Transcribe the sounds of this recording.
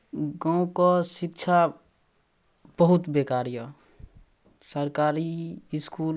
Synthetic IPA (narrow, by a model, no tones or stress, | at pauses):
ɡãũkɔsɪkt͡ʃʰa | bəɦut̪bekaːɾjə | səɾkaːɾiɪskuːl